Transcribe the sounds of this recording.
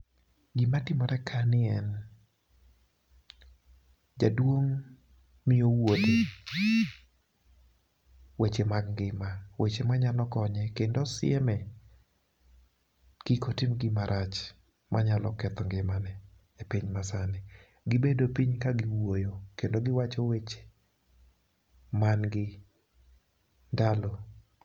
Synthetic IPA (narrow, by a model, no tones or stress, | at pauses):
ɡimatɪmɔɾɛkʰanɪɛn | d͡ʒadwoŋ | mɪowodɪ | wet͡ʃemaɡŋɡɪmawet͡ʃemaɲalɔkɔɲɛkendɔsɪɛmɛ | kikotɪmɡɪmaɾʔat͡ʃ | maɲalɔ̰kɛt̪ɔŋɡɪmanɛː | piɲmasanɪ | ɡɪbedopiɲkaɡɪwojokendoɡɪwat͡ʃɔwet͡ʃe̥ | manɡɪ | ndalɔ